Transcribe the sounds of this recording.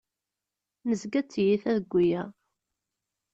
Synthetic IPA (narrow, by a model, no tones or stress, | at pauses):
nəzɡæt͡sːjiθæðəɡʷːijæ